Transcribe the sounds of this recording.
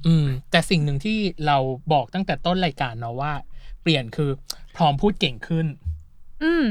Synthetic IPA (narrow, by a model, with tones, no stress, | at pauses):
ʔɯː˧˩mt̪ɛː˨˩si˨˩ŋnɯ˨˩ŋt̪ʰiː˥˩ɾa˧wbɔː˨˩k̚t̪a˥˩ŋt̪ɛː˨˩t̪o˥˩nɾaː˧jkaː˧nːɔ˦˥waː˥˩pli˨˩ənkʰɯː˧pʰɾɔː˦˥mpʰuː˥˩t̪̚ke˨˩ŋkʰɯ˥˩n | ʔɯː˧˩m